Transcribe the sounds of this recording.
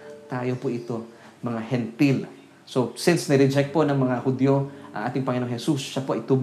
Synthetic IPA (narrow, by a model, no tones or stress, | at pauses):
t̪aːjo̞pʊʔɪt̪o̞ | mɐŋahɛnt̪il | sosɪnsnɪɾɛd͡ʒɛk̚t̪̚po̞nɐŋmɐŋahʊd̪joʔɐ̰ŋʔaːt̪ɪŋpɐŋɪnoŋhɛsusːapoʔɐɪt̪ub